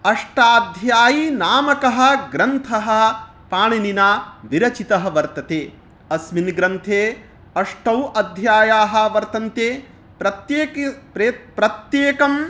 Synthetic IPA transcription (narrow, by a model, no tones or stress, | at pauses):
ɐʂʈaːd̪ʱjaːjinaːmɐkɐɦɐ̆ɡɾɐnt̪ʰɐɦɐ̆ | paːɳininaːʋiɾɐt͡ʃit̪ɐɦɐʋɐɾt̪ɐt̪eː | ɐsminɡɾɐnt̪ʰeː | ɐʂʈɐwɐd̪ʱjaːjaːɦɐ̆ʋɐɾt̪ɐnt̪eː | pɾɐt̪jeːkppɾɐt̪jeːkɐm